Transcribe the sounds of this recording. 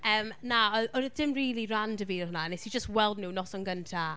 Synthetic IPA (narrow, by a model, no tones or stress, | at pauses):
əːmnaɔɔd̥ɪmriːlˠirandəviːhʊnanɛsid͡ʒəst̚wɛlˠdnuwnɔsɔnɡəntʰa